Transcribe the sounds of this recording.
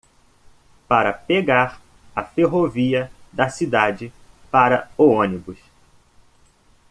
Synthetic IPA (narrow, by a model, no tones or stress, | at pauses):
paɾɐpeɡaɾ | ɐfeɦoviɐd̪ɐsid̪ad͡ʒɪpaɾɐoõnibʊs